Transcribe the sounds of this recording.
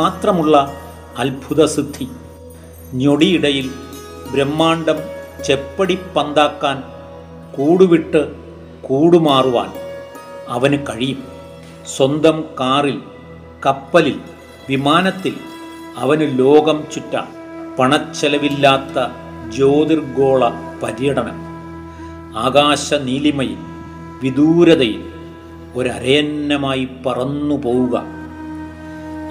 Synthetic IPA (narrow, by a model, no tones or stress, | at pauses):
aːt̪rɐmuɭːɐː | lbʱuðɐsɨd̪ʱːi | ɲo̞ɽijiɽɐjil | bɾemːaːɳɖɐmt͡ɕepːɐɽipːɐnd̪aːkːaːn | kuːɽuʋiʈːɨ | kuːɽumaːruʋa̰ːn | ɐʋɐnɨkɐɻijum | swɐnd̪ʱɐmkaːril | kɐpːɐlil | ʋimaːnɐt̪ːil | ɐʋɐnɨlo̞ːɡɐmt͡ɕutːa̰ː | pɐɳɐt͡ɕːɐlɐʋilːaːt̪ːɐ | d͡ʑo̞ːd̪irɡo̞ːɭɐ | pɐɾjɐɽɐɳɐ̰m | aːɡaːɕɐniːlimɐjṵm | ʋid̪uːɾɐðɐjum | o̞ɾɐ̰ɾɐjɐnːɐmaːjipɐrɐnːupoːwuɣɐ̰